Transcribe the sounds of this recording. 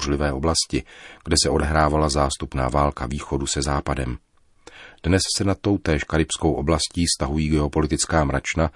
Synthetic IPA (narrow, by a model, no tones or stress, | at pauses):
rlɪvɛːo̞blascɪɡ̥dɛsɛʔo̞dɛɦɾaːvalazaːst̪upna̰ːvaːlkaviːxo̞dusɛzaːpadɛm | d̥nɛssɛnat̪o̞wt̪ɛːʃkaɾɪpsko̞wʔo̞blasciːst̪aɦujiːɡɛo̞po̞lɪt̪ɪt͡skaːmɾat͡ʃna